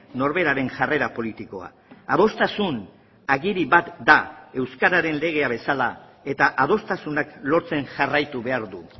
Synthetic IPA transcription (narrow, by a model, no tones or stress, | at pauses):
no̞ɾβe̞ɾaɾe̞nʝare̞ɾapo̞lit̪iko̞a̰ | að̞o̞st̪asun | aɣiɾiβat̪d̪ae̞wskaɾaɾe̞nle̞ɣ̞e̞aβe̞sala | e̞t̪aʔað̞o̞st̪asunaklo̞ɾt͡se̞nʝarajt̪uβe̞aɾðu